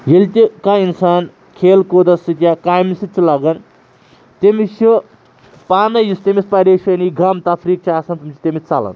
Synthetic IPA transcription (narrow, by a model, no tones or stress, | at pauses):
jelt̪ʲikainsaːn | kʰeːlkod̪ɐsɨt̪ʲjakaːjmisɨt͡sʰilaɡɐn | t̪emiʃʰu | paːnɐjust̪emʲispɐɾeʃɐniɡɐmt̪ɐpʰɾik̚t͡ʃʰaːsɐnt̪umʲit͡ʃʰi̥t̪emit͡salɐ̰n